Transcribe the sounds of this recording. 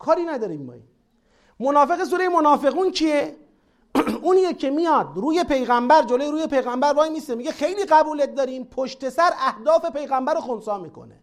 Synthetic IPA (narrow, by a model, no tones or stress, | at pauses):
kʰɒːɾiːnæd̪ɒːɾiːmbɒ̰ːi | monɒːfe̞ɣes̬uːɾejemonɒːfe̞ɣuːnt͡ʃʰie | uːnijekʰːe̞mijɒːd̪ɾuːje̞pʰe̞jɣæmbæɾd͡ʒolojeɾuːjepʰe̞jɣæmbæɾvɒːjmiːsemiɟe̞xe̞jliːɣæbuːlet̪̚d̪ɒːɾiːmpʰoʃt̪e̞sæɾæhd̪ɒːfe̞pe̞jɣæmbæɾoxonsɒːmiːkʰo̞̰nḛ